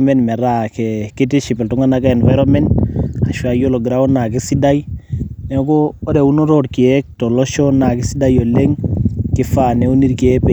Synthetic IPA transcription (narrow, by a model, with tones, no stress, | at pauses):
mɛ˦nmɛ˨ɾa˦kɛki˦ti˦ʃi˨pi˨ltu˦ŋa˦naka˦ɛ˨nva˦jɾɔmɛ˦nta˨ʃwa˨jo˦lɔ˨ɡɾa˦ɔ˦na˨ki˦si˦da˦jne˨˦kɔː˦ɾe˨u˦nɔ˦ɾodki˨ɛk̚tɔ˨lɔ˦ʃɔ˦na˨k̬i˦si˦da˦jɔ˨le˦ŋki˦fa˨ne˦u˦ni˦ɾki˨ɛ˦pe˨